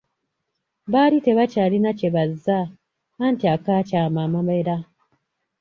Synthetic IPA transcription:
βalite̞βacaːlinaceβazːaː | ntiakaːcaːmamameɾa

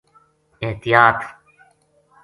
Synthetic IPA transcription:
ɪht̪ɪjaːt̪

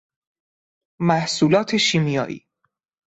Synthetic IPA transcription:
mæhsuːlɒːt̪ʰe̞ʃiːmijɒ̰ːʔḭː

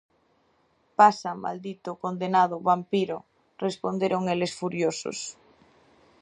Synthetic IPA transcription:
pasama̰ld̪it̪okond̪enað̞ʊβampiɾʊ | respond̪eɾoŋelesfuɾjoso̰s

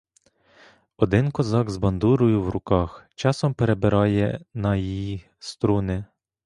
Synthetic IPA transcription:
ɔd̪ɪnkɔzɑɡzbɐnd̪uɾʊjʊwɾʊkɑxt͡ʃɑsɔmpeɾebɪɾɑjɛnɐji | st̪ɾunɪ

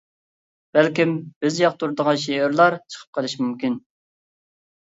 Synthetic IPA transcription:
b̥ælkʲimb̥ɪzjɑq̚t̪ʰuɾɨd̪əʁɑnʃeɪɾlˠɑɾt͡ʃʰə̥qʰə̥p̚qʰəlˠɨʃmymkʲin

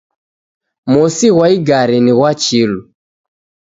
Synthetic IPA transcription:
musiɣwaiɡaɾiniɣwat͡ʃilu

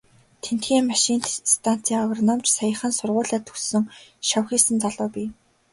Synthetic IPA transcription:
t̪ʰen̥t̪xiːŋmaʃint̪st̪ʰan̥t͡sʰiːɔɣrɔnɔmt͡ɕsajə̆χə̆nsʊrʁʊːɮaːt̪ʰɵ̥sɵ̆ŋʃawxiːsɘ̆nt͡saɮʊːpʲiː

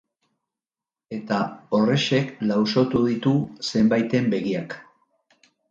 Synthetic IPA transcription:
e̞t̪ao̞re̞ʃe̞klawso̞t̪uðit̪use̞mbajt̪e̞mbe̞ɣiak

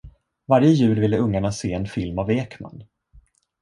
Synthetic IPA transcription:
vaɾjəjʉ̟ːlvɪlːəɵŋːaɳaseːɛnfɪlmaveːkma̰n

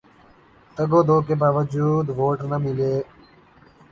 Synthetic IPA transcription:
t̪əɡoːd̪oːk̬eːbaːʋəd͡ʒuːd̪ʋoːʈnəmɪleː

